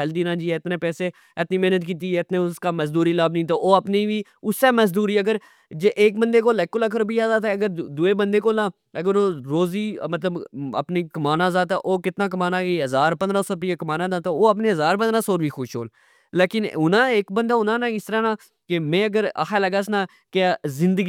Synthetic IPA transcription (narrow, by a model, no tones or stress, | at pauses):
ɛld̪iːnãːd͡ʒiːɛːɪt̪neːpɛːseː | ɪt̪niːmɛɦnət̪kiːt̪̬iːɛɪt̪nẽːʊskaːməzd̪uːɾiːlaːbnəĩt̪̬oːoːəpniːʋiːʊseːməzd̪uːɾiːəɡəɾ | d͡ʒeʔeːk̚bənd̪eːkoːlɛːkːʊləkʰəɾbʱiːaːzaːt̪ɛɐɡəɾd̪uːeːbə̃nd̪eːkoːnãː | əɡəɾoːɾoːziːmət̪ləbə̰pniːkəmaːnãːzaːt̪aʔoːkɪt̪naːk̬əmaːnãːkeɦəzaːɾpənd̪ɾãːsoːpikəmaːnãːd̪aːt̪ooːəpneːɦəzaːɾpənd̪ɾãːsoːɾʋiːxʊːʃɦo̰ːl | leːkɪnʊnãːeːkbənd̪aːʊnãːnãːɪst̪əɾãːnãː | kemɛ̃ːəɡəɾa̰xʰaːləɡaːsnãː | kezɪ̃nd̪əɡ